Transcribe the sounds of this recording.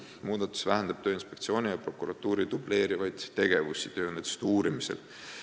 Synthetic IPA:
muːd̪ɑt̪ːˑu̥svæɦænd̪̥ɑb̥̚t̪øːinspe̞kt̪sio̞ːnʲijɑpro̞kːˑuɾɑt̪ːˑuːɾid̪uble̞ːɾivɑjd̪̥t̪e̞ɡ̥e̞vusit̪ø̞ːnet̪e̥st̪uːɾimisḛl

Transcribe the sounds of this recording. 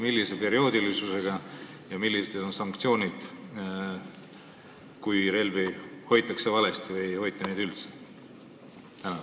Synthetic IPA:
milːise̞pe̞ɾio̞ːd̪ilisuse̞ɡ̥ɑ | jɑmilːist̪ed̪o̞nsɑŋkt̪sio̞ːnid̪̥ | kujɾe̞lviho̞jt̪ːˑɑksevɑle̞st̪ivɤjho̞jt̪ːˑɑnejd̪ylt̪se | t̪ænɑ

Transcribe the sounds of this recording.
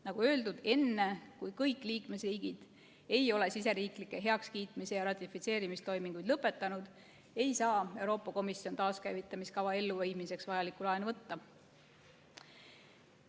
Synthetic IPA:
nɑɡ̥uø̞ːld̪ud̪̥e̞nːe̞kujkɤjkˑliːkme̞sriːɡ̥id̪̥ | e̞jo̞le̞sis̬e̞ɾiːklikːˑe̞ɦe̞ɑkskiːt̪ˑmise̞jɑɾɑt̪ʲːˑifit̪se̞ːɾimist̪o̞jmiŋɡ̥ujd̪lɤpːˑe̞t̪ːˑɑnud̪̥ | e̞jsɑːe̞wɾo̞ːpːˑɑko̞misjo̞nt̪ɑːskæjvit̪ːˑɑmiskɑvɑe̞lːuvejmise̞ksvɑjɑlikˑulɑenvɤt̪ːɑ

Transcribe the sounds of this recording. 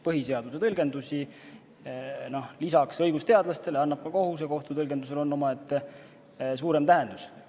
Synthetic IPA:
pɤɦise̞ɑd̪use̞t̪ɤlɡe̞nd̪usi | no̞hlisɑksɤjɡ̥ust̪e̞ɑd̪lɑst̪e̞lɑnːɑb̥̚kɑko̞ɦus̬eko̞ht̪ut̪ɤlɡend̪us̬e̞lo̞nːo̞mɑe̞t̪ːˑ | s̬uːɾe̞mt̪æɦe̞nd̪̥us

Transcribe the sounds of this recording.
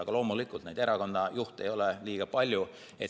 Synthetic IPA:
ɑɡ̥ɑlo̞ːmulikːˑult̪nejd̪̥e̞ɾɑko̞nːɑjuht̪e̞̰jo̞lɛliːɡ̥ɑpɑlʲju | et̪

